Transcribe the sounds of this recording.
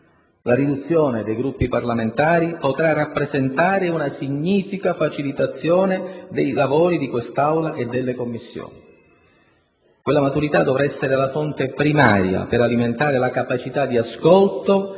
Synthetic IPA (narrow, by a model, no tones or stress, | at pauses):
laɾid̪ut̪sːjoːned̪ejɡɾupːiparlament̪aːɾipot̪ɾarapːɾezent̪aːɾeunasiɲːiːfikafat͡ʃilit̪at̪sːjɔːned̪ejlavoːɾid̪ikwest̪awlaʔed̪ːelːekomːisːjo̰ːni | kwelːamat̪uɾit̪ad̪ːɔvɾaɛsːeɾealafont̪epɾima̰ːɾja̰peɾaliment̪aːɾelakapat͡ʃit̪ad̪ːiaskɔlt̪o